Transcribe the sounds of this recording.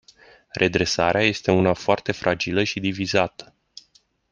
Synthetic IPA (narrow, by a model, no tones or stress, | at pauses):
rʔe̞d̪ɾe̞saɾeaje̞st̪e̞unafoart̪e̞fɾʔad͡ʒiləʃid̪ivizat̪ə̥